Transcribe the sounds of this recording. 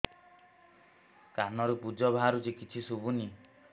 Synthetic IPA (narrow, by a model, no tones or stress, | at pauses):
kanɔɾupud͡ʒɔbaɦaɾut͡ʃikit͡ʃʰisubuni